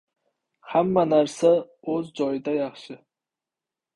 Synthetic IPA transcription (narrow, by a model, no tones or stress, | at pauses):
hamːanaɾsa | ɵzd͡ʒɒjɪd̪ajɑχʃɪ